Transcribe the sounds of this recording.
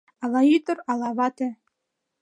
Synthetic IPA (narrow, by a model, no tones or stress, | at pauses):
ɑlˠɑjyt̪ɤ̆ɾɑlˠɑβɑt̪ɘ̆